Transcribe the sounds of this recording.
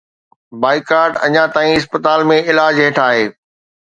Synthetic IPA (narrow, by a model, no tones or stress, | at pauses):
baːikaːɾɖɐ̰ɲãt̪aːĩɪs̬pət̪aːlmẽɪlaːd͡ʑɦeːʈʰaːɦeː